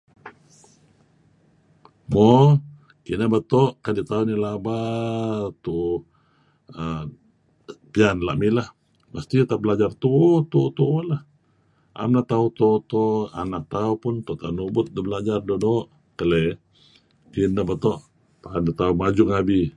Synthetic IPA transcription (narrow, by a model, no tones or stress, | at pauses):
mɔ | kinabat̪ɔʔkadit̪aunilaba | t̪u | ə | pianla̰ʔmilah | mast̪it̪aʔbəlad͡ʒart̪ut̪uʔt̪uʔulah | ʔa̰mnaʔt̪aut̪ot̪oa̰naʔ̚t̪aupʊnt̪ɔʔt̪anubʊt̪̚dəbəlad͡ʒardodoʔ | kəle | kinabət̪ɔʔ | paanit̪aumad͡ʒʊŋabi